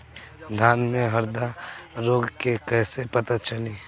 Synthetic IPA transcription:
d̪ʱaːnmẽɦɐɾd̪aɾoːɡkekɛːsepɐt̪at͡ʃɐliː

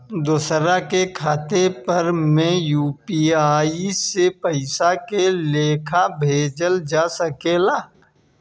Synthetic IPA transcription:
d̪ʊːsɾakekʰaːt̪epɐɾmẽjuːpiaːisepəɪsakeleːkʰabʱeːd͡ʒəld͡ʒaːsəkelaː

